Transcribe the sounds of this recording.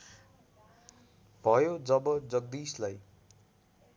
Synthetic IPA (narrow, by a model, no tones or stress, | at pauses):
bʱʌjod͡zʌbʌd͡zʌɡ̚d̪islaj